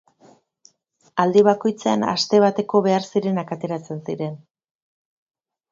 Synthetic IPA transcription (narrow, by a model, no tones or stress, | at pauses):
ald̪iβ̞ako̞jt͡seana̰st̪e̞β̞at̪e̞ko̞βe̞aɾsiɾe̞nakat̪e̞ɾat͡se̞nsiɾe̞n